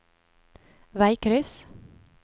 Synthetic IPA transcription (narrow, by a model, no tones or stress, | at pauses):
væjkʰɾʏs